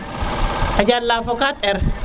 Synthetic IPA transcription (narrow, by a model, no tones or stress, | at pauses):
ɐd͡ʒaːlːaːfɔkaːt̪ʼɛɾ